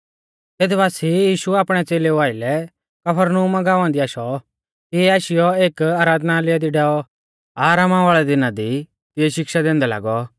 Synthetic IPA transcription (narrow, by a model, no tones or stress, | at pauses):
t̪eːd̪ɛbaːsijiːʃuaːpɽ̃ɛt͡seːleuaːɪlɛ | kɐpʰəɾnuːmaɡaːʋãnd̪iaːʃɔ | k̪iɛaːʃɪjɔeːkaːɾaːd̪nalɪjad̪iɖɛːɔ | aːɾamãʋaːɭɛd̪ɪnad̪i | t̪ɪɛʃɪkʃad̪ɛ̃ːnd̪ɛla̰ːɡɔ